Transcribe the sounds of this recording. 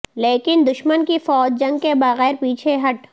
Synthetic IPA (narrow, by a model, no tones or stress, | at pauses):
leːkɪnd̪ʊʃmənkifɔːd͡ʒd͡ʒɐ̃ŋɡkebɐɣɛːɾpiːt͡ʃʰeɦɐʈ